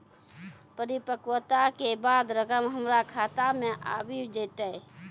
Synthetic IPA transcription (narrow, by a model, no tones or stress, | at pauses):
pəɾipəkwət̪akebad̪ɾəkəmɦəmɾakʰat̪ameʔa̰bid͡ʒət̪əj